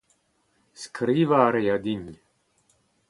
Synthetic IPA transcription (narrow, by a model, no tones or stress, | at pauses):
skʰɾiːvaːɾejad̪inʲ